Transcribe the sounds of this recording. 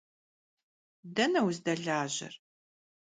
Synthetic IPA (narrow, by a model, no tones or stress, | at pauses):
dɐnɐwzdɐɮaːʑɪ̰r